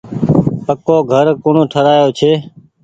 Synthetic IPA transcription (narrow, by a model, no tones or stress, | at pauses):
pəkoːɡʱəɾkoːɳõːʈʰəɾaːjoːt͡ʃʰeː